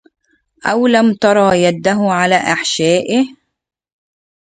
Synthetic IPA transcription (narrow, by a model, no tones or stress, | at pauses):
ʔawlamt̪ɑɾˤɑːjad̪ːaɦʊʕalaːʔaħʃaːʔɪh